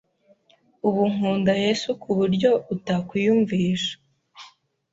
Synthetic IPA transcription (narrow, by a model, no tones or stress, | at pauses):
uβuŋuːndaje̞sukʰuβuɾɟo̞utakwijuɱviːʃḁ